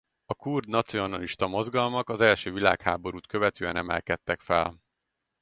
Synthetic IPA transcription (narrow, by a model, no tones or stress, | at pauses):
ɒkurd̪nɒt̪sio̞nɒliʃt̪ɒmo̞zɡɒlmɒkɒzɛlʃøːvila̰ːkhaːbo̞ɾuːt̪kø̞vɛt̪øːɛnɛmɛ̰lkɛt̪ːɛkfɛl